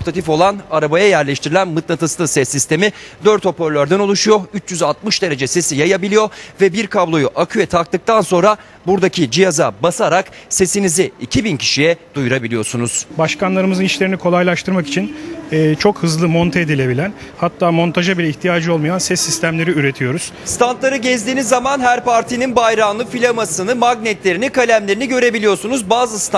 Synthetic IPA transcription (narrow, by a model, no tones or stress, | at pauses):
opt̪ʰat̪ifo̞lˠanaɾabajajæɾlʲɛʃt̪ʰiɾilʲænmɯt̪nat̪ʰɯslˠɯsɛsːist̪ʰe̞mi | d̪øɾt̪o̞pøɾlʲøɾd̪æno̞lˠuʃujo̞yt͡ʃjyzat̪mɯʃd̪e̞ɾe̞d͡ʒɛse̞sijajabilʲijovɛbiɾkʰablˠo̞juʔakʰyjɛt̪ʰak̚t̪ɯk̚t̪ʰanso̞nɾa | buɾd̪acʰid͡ʒijazabasaɾakse̞siniziːcʰibincʰi̥ʃijɛd̪ujuɾabilʲijo̞ɾsunuz̥baʃkanlˠaɾɯmɯzɯniʃlʲe̞ɾinikʰo̞lˠajlʲˠaʃt̪ʰɯɾmaki̥t͡ʃʰinɛːt͡ʃʰo̞khɯzlˠɯmo̞nt̪ʰaed̪ilʲe̞bilʲæn | hat̪ʰːaːmo̞nt̪ʰaʒabilʲɛiçt̪ʰijaːd͡ʒɯo̞lˠmajansɛsːist̪ʰæmlʲe̞ɾiyɾe̞t̪ʰijo̞ɾuz̥st̪ʰant̪lˠaɾɯɟɛzd̪iːnizːamanɦæɾpaɾt̪ʰininbajɾanlˠɯfilʲamasɯnɯmaɡnɛt̪lʲe̞ɾinikalʲæmlʲe̞ɾiniɟø̞ɾe̞bilʲijo̞ɾsunuzbaːzɯst̪